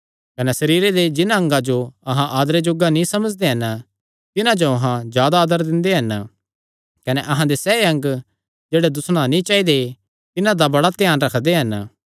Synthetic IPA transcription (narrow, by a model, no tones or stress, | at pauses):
kɐnɛsɐɾiːɾed̪ed͡ʒɪnãɐ̃ŋɡad͡ʒoɐɦãʔaːd̪ɾed͡ʒoɡːanĩsɐməd͡ʒd̪eɦɐn | t̪ɪnãd͡ʒoɐɦãd͡ʒjaːd̪aːd̪əɾd̪ɪ̃nd̪eɦɐn | kɐnɛʔɐɦãd̪esɛːeɐ̃ŋɡ | d͡ʒeːɽed̪ʊsɽ̃anĩt͡ʃaːid̪e | t̪ɪnãd̪abɐɽat̪jaːnɾɐkʰd̪eɦɐn